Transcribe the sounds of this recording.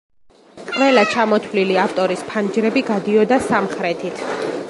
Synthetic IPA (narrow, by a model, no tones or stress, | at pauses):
qʼvɛlˠat͡ʃʰamɔt̪ʰwliliaft̪ʼɔɾispʰand͡ʒɾɛbiɡad̪iɔd̪asamχɾɛt̪ʰit̪ʰ